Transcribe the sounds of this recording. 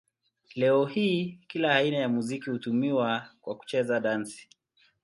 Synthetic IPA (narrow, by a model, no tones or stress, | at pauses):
lɛɔhiːkilaːinajamuzikihutumiwakwaku̥t͡ʃɛzaɗansi̥